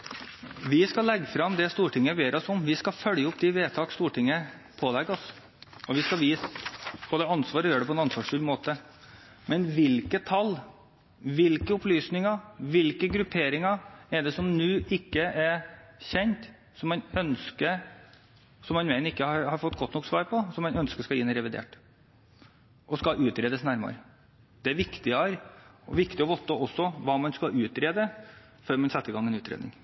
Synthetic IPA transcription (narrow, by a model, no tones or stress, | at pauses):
ʋɪskɑlɛɡːfɾɑmd̪ɛst̪uːʈɪŋːəʋeːɾɔsɔmʋɪskɑfœljəʊpːd̪ɪʋeːt̪ʰɑːkst̪uːʈʰɪŋːə | pʰoːlɛɡɔs | ɔʋɪskɑʋiːspʰɔd̪ɛɑnsʋɑːɾɔjøːɖɛpʰɔɛnɑnsʋɑːʂfʉlmoːt̪ə | mɛnʋɪlkət̪ʰɑlː | ʋɪlkəʊplyːsnɪŋɑʋɪlkəɡɾʉpʰeːɾɪŋɑɛɖɛsɔmnʉːʔɪkːəʔɛçɛnt̪ | sɔmːɑnœnskəɾ | sɔmːɑnmɛnɪkːəhɑɾhɑɾfɔt̪ːɡɔt̪ːnɔkːsʋɑːɾpʰɔsɔmːɑnœnskəʂkɑjɪːnːəɾɛʋɪd̪ḛːʈ | ʔɔskɑʔʉːt̪ɾeːd̪əsnæɾmɑ̰ɾ | d̪̥ɛæɾʋɪkt̪ɪɑɾɔʋɪkt̪ɪɔʋɔt̪ːəɔsːɔʋɑːmɑnskɑʔʉːt̪ɾeːd̪ə | føːɾmɑnsɛt̪ːɪɡɑŋːɛnʉːt̪ʰɾḛːd̪nɪ̰ŋ